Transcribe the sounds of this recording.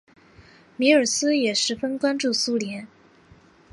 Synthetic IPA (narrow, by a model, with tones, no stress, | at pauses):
mi˧˥ə˞˨˩sɹ̩˥jɛ˨˩ʂɻ̩˧˥fə˥nkwa˥nʈ͡ʂu˥˩su˥ljɛ˧˥n